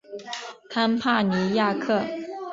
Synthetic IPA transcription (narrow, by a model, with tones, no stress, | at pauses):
k̪ʰa˥npʰa˥˩ni˧˥ja˥˧kʰɤ˥˩